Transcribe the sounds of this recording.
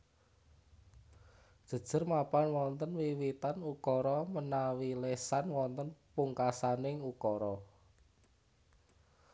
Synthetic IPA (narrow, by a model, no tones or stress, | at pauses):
d̥ʒ̥ə̤d̥ʒ̥ə̤rmapanwɔnt̪ənwiwit̪anukɔɾɔmənawilesanwɔnt̪ənpuŋkasanɪŋukɔɾɔ